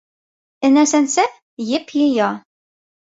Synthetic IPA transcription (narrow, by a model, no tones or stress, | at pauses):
ɘ̆næsænsæ | jɘqjɤ̆jɑ